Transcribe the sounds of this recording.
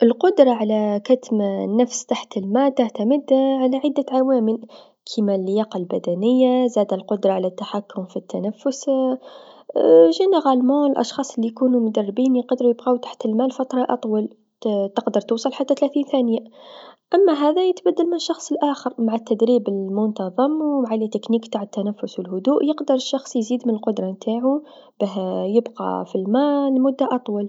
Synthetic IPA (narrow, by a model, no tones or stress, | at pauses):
ʔəlqʊd̪ɾˤɑʕalakat̪mnːafst̪aħt̪lmaːt̪ːaʕt̪amɪd̪ʕalaʕɪd̪ːaʕawaːmɪl | kʰimalːɪjɑːqɑlbæd̪ænɪjːazaːd̪lqʊd̪ɾˤɑʕalat̪ːaħakːʊmfit̪ːanafːʊs | ʒinaɣalmuəlʔɑ̰ʃxɑːsˤəlːijkuːnumʊd̪ɑrˤːɪbiːnqɑd̪ɾujɪbɣawt̪ḁħt̪əlmaːlfɑt̪ɾˤɑʔɑt̪ˤwɑl | t̪əqd̪əɾˤt̪uːsˤɑlħat̪ːat̪læθiːnθæːnəjaʔæmːaɦæːðæjɪt̪bæd̪ːəlmɪnəʃːɑxsˤəlʔaːxəɾmaʕat̪ːæd̪ɾiːbəlmʊnt̪ɑðˤɨmwmaʕalit̪ːɪkniːkt̪aːʕət̪ːænæfːʊswɪlhʊd̪uːʔjəqd̪əɾˤəʃːɑxsˤjziːd̪mɪnəlqʊd̪ɾˤɑmt̪aːʕu | bæɦjɪbqɑ̰filmaːlmʊd̪ːaʔɑt̪ˤwɑl